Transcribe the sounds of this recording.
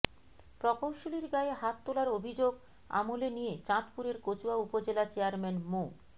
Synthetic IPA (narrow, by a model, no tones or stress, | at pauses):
pɾɔkowʃoliɾɡaeɦat̪ːolaɾobʱid͡ʑoɡ | a̰molenijet͡ɕãt̪puɾeɾkot͡ɕuaupod͡ʑelat͡ɕeaɾmenmo